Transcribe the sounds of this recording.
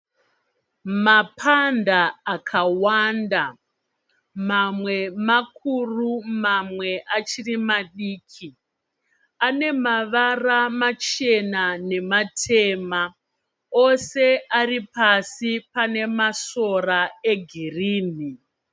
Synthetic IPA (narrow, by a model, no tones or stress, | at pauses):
mapʰandaːkʰawanda | mamwe̞makʰurumamwe̞ʔat͡ʃirimaɗiːkʰi | ane̞maʋaramat͡ʃe̞nane̞matʰema | ose̞aripasipane̞maso̞raeɡʱiriːni